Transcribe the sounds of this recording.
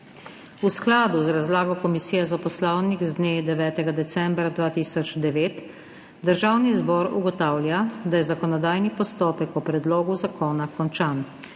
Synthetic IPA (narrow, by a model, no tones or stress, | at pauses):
usklaːd̪uzɾazlaːɡɔkɔmisiːjɛzapɔslawnikzd̪neːd̪ɛʋɛːt̪ɛɡad̪ɛsɛmbɾad̪ʋaːt̪iːsɔd͡ʒd̪ɛʋeːt̪ | d̪əɾʒawnizbɔːɾṵɡɔt̪aːwljad̪ajɛzakɔnɔd̪aːjnipɔst̪ɔːpɛkɔpɾɛd̪loːɡuzakɔːnakɔnt͡ʃaːn